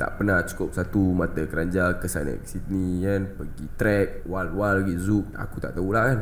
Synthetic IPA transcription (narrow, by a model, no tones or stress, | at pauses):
t̪a̰ʔpənaht͡ʃu̥kʊp̚sat̪umat̪əkəɾaɲd͡ʒakəsa̰nə̰ksit̪nikanpəɡit̪ɾɛk̚walwalɡizuk̚a̰kut̪a̰ʔt̪aulakan